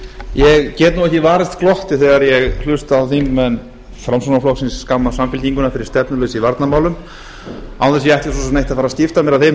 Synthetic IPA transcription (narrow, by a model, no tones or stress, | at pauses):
jɛɣcɛːt̪nuwɛhcɪvaːɾɪst̪kʰlɔht̪ɪθɛːɣaɾjɛɣl̥ʏst̪awθimːɛn | fɾamsonaflowsɪnsːkamːasamfɪlt̪iŋkʏnaɾfɪɾɪ̥ɾst̪ɛpnʏlœːsivaɾt̪namaːwlʏm | awθɛsjɛɛht̪as̬ɔsɛmnejht̪aðfaɾascɪft̪amjɛɾaðθejm